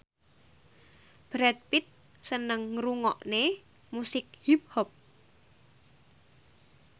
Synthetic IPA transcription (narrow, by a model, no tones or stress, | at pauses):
b̥ɾɛt̪̚pit̪̚ | sənəŋːɾuŋɔ̰ʔne | musɪk̚hip̚hɔp̚